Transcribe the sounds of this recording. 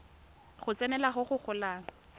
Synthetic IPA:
χʊt͡sɛnɛlaχʊχʊk͡xʰʊlaːŋ̩

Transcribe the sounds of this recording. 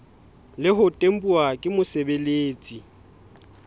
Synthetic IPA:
lɪɦʊtʼem̩pʼuakʼɪmʊsebeleːt͡sʼi

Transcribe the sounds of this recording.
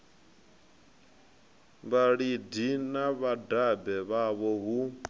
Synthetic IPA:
βaɺidinaβadabɛβaβɔɦu

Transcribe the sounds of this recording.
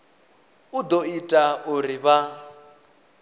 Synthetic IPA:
ud̪ɔitʼauriβa

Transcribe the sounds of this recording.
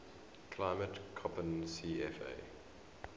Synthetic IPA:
kʰlaɪmətkʰɔpə̃nsiːɛfḛː

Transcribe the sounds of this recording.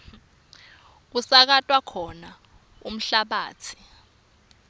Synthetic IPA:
k̬usak̬atʼwakʰɔna | um̩ɬaɓaːt͡sʰi̥

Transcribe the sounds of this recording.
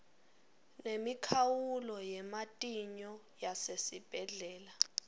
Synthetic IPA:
nemikʰawulɔjɛmatʼiɲɔ | jasesib̥ʱɛɮɛːla

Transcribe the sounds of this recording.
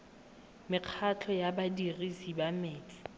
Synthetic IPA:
mɪq͡χʰat͡ɬʰɔjabadirisibameːt͡sʼɪ̥

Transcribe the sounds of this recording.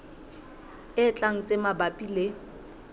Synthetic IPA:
ɪt͡ɬʼaŋ̩t͡sʼemabapʼile

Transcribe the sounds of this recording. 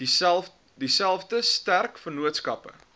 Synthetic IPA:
disælˠfdəstærkfərnuətskɐpə̰

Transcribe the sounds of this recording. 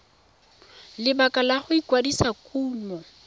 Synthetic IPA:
lɪbakʼalaχʊikwadisakʼuːmɔ

